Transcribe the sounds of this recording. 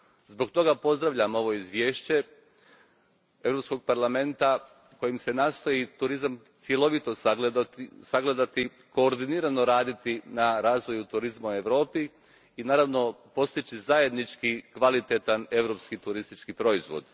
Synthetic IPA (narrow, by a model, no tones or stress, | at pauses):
zbo̞ɡt̪o̞ɡapo̞zd̪ɾaʋʎamo̞ʋo̞izʋʲje̞ːʃt͡ɕe̞ | e̞ʋɾo̞psko̞ɡ̚paɾlˠame̞nt̪a | ko̞jimse̞naːst̪o̞jit̪uɾizamt̪sʲje̞lˠo̞ʋit̪o̞ | saɡle̞d̪at̪i | ko̞ːɾd̪iniːɾano̞ɾaːd̪it̪inaɾaːzʋo̞jut̪uɾizmaue̞ʋɾo̞ːpiː | naːɾaʋno̞po̞st̪it͡ɕizaje̞d̪nit͡ʃkikʋalit̪et̪ane̞ʋɾo̞ːpskit̪uɾist̪it͡ʃkipɾo̞izʋo̰d̪